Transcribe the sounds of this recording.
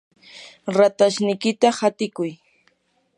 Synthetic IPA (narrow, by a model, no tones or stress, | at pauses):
ɾat̪aʃnɪjkɪt̪ahat̪ɪkʊj